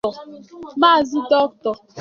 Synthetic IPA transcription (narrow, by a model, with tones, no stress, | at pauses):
ɔ˨ma˦˨zi˦dɔ˦k̚tɔ˨